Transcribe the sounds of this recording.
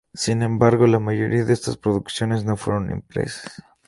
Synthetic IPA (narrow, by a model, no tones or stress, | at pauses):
sinẽ̞mbaɾɣo̞lamaʝo̞̰ɾiaðeest̪aspɾo̞ðuksjo̞ne̞zno̞fwe̞̰ɾo̞nḭmpɾe̞̰sḁs